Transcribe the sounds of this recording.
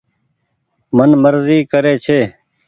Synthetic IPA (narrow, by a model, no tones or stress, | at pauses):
mənməɾziːkəɾeːt͡ʃʰeː